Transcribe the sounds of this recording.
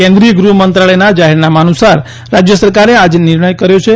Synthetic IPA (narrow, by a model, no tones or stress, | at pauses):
kɛ̃nd̪ɾiəɡɾuɦmənt̪ɾaɭəjnad͡ʒaɦɛɾnamaːnusaɾ | ɾad͡ʒjəsəɾkaɾead͡ʒnɪɾɳəjkəɾjot͡ʃʰe